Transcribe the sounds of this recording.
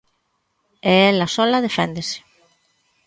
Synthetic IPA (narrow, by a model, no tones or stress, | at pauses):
eɛlasɔlaðefend̪ese̥